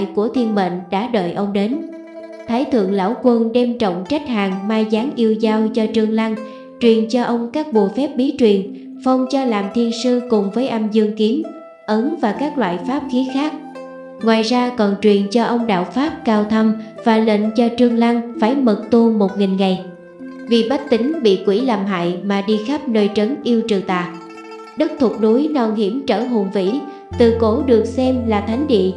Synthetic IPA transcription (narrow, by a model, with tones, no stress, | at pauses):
jku˧˩ət̪ʰi˧ənɓḛ˧˨n̟ɗa̰ː˧˥ɗə̰ː˧˨jʔə˧wŋ͡mɗe˨˦n | t̪ʰaː˨˦jt̪ʰɨ̰˧˨əŋla̰ː˧˩wkwə˧nɗɛ˧mt͡ɕə̰˧˨wŋ͡mt͡ɕa˦˥jk̟̚haː˨˩ŋmaː˧zaː˨˦ŋʔi˧əwzaː˧wt͡ɕɔ˧t͡ɕɨ˧əŋla˧ŋ | t͡ɕwi˨˩ənt͡ɕɔ˧ʔə˧wŋ͡mkaː˦˥k̚ɓu˨˩əfɛ˦˥p̚ɓi˨˦t͡ɕwi˨˩ən | fə˧wŋ͡mt͡ɕɔ˧laː˨˩mt̪ʰi˧ənsɨ˧kʊ˨˩ŋ͡mvəː˨˦jʔa˧mzɨ˧əŋki˨˦əm | ʔə˨˦nvaː˨˩kaː˦˥k̚lwa̰ː˧˨jfaː˦˥p̚xi˨˦xaː˦˥k̚ | ŋwaː˨˩jzaː˧kɔ˨˩nt͡ɕwi˨˩ənt͡ɕɔ˧ʔə˧wŋ͡mɗa̰ː˧˨wfaː˦˥p̚kaː˧wt̪ʰə˧mv̥aː˨˩lə̰˧˨nt͡ɕɔ˧t͡ɕɨ˧əŋla˧ŋfaː˧˩jmə˨˩t̚t̪u˧mo˨˩t̚ŋï˨˩ŋŋa˨˩j | vi˨˩ɓa˦˥k̚t̪ï˨˦ŋ̟ɓḭ˧˨kwi˧˩laː˨˩mɦa̰ː˧˨jmaː˨˩ɗi˧xa˦˥p̚nəː˧jt͡ɕə˨˦nʔi˧əwt͡ɕɨ˨˩t̪a̰ː˧˨j | ɗɨ˦˥k̚t̪ʰʊ˨˩k͡p̚ɗu˨˦jnɔ˨˩whi˧˩əmt͡ɕəː˧˩ɦo˨˩nvḭ˧˥ | t̪ɨ˨˩ko˧˥ɗɨ˨˩ək̚sɛ˧mlaː˨˩t̪ʰa˨˦jŋɗḭ˧˨